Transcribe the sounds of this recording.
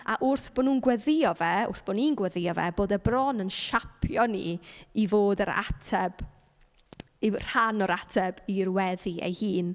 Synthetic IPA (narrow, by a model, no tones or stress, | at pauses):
aʔʊrθb̥onuːnɡwɛðɪɔvɛʊ̰rθb̥oninɡwɛðɪɔvɛ̰boːdɛbrɔnənʃapʰjɔnḭivoːdəɾa̰tʰɛb̥ | ir̥anɔɾatʰɛbirwɛðiḛjhiːn